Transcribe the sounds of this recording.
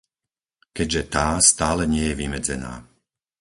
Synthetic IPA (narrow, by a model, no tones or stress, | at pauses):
kɛɟʒɛt̪aːst̪aːlɛɲɪɛjɛʋimɛd͡zɛ̰na̰ː